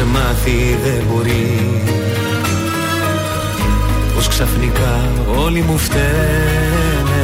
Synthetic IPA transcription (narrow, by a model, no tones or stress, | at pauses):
emɐθiðeboɾi | posksɐfnikɐ | o̞limuft̪e | ne